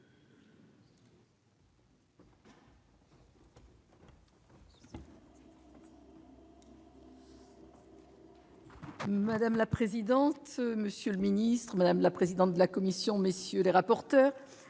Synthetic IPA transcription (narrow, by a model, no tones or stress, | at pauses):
mad̪amlapχezid̪ɑ̃t̪məsjøləminist̪χəmad̪amlapχezid̪ɑ̃t̪̚d̪əlakɔmisjɔ̃məsjøleʁapɔʁt̪œːʁ